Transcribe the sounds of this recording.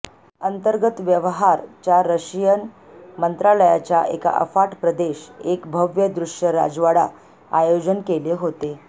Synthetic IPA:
ənt̪əɾɡət̪ʋjəʋɦaɾt͡ɕjaɾəɕijən | mənt̪ɾaləjat͡ɕjaʔḛka̰ʔə̰faʈpɾəd̪eɕekbʱəʋjəd̪ɾuʂjəɾa̰d͡zʋaɽa | ajod͡ʑənkeleɦot̪e

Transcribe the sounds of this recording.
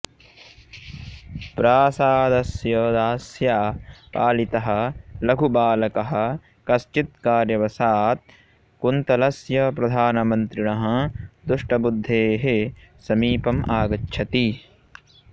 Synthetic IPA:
pɾaːsaːd̪ɐsjɐd̪aːsjaːpaːlit̪ɐɦɐ̆lɐɡʱubaːlɐkɐɦɐ̆ | kɐst͡ʃit̪̚kaːɾjɐʋɐsaːt̪̚ | kunt̪ɐlɐsjɐpɾɐd̪ʱaːnɐmɐnt̪ɾinɐɦɐ̃d̪ɾuʂʈɐbud̪ʱːeːɦesɐmiːpɐmaːɡɐtːʃʰɐt̪i

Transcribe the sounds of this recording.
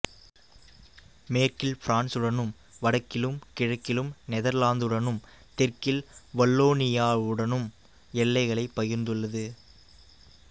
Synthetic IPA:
meːɾkɪlfɪɾaːnsɯɽɐnɯm | ʋɐɽɐkːɪlɯmkɪɻɐkːɪlɯmnɛðɐɾlaːnd̪ɯɽɐnɯm | t̪ɪrkɪlʋɐlːoːnɪjaːʋɯɽɐnɯm | ɛlːɐɪɣɐɭɐɪpːɐjɪɾnd̪ɯɭːɐðɯ

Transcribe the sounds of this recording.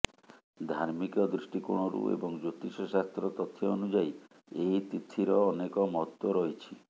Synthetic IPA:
d̪ʱaɾmikɔd̪ɾiʃʈikuɽ̃ɔɾṵḛbɔŋd͡ʒot̪iʃɔsast̪ɾɔt̪ɔt̪ʰːjeɔnud͡ʒai | ejt̪it̪ʰːiɾɔːnekɔmɔt̪ːɔɾɔɦit͡ʃʰi

